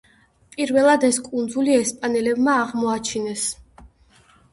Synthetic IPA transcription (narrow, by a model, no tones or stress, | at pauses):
pʼiɾvɛlˠad̪ɛskʼund̪zuliɛspʼanɛlɛbmaːʁmɔat͡ʃʰinɛs